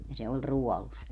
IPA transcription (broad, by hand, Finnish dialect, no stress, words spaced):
jɑ se olʲ ruɔlus